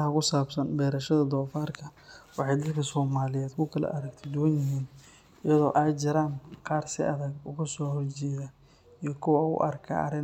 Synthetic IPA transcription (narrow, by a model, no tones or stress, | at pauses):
ɦɐkʊsaːbsɐnbɛːɾɐʃɐðɐd̪ɔːfaːrkʰɐwɑħɑjd̪ɐlkʰɐsɔːmaːlɪjɛːd̪kʰʊkʰɐlɐ̰ʔɐɾɐɡt̪ʰɛd̪ʊwɐnjɪɦiːn | ɪjɐðɔːʔaːjt͡ʃɪɾaːnqɑːrsɪ̰ʔɐðɐɡʊɣʊsɔːhɔrt͡ʃɛːjɐ | ijɞkʰʊwɐʊ̰ʔɐ̰rkʰɐ̰ɐ̰ɾɪn